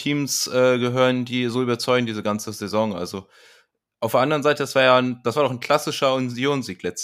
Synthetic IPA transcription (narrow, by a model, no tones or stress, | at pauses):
iːmsʔɛːɡəɦøːʁəndiːzoːʔyːbɐt͡sɔʏɡŋ̩diːzəɡant͡səzezɔŋʔa̰lzo | ʔaʊfdeɐʔandəʁ̞ənzaɪtədasv̥aːɐjaːnd̥asv̥aːɐdɔʊχnkʰl̥asɪʃɐʊnzjoːnziːklɛt͡st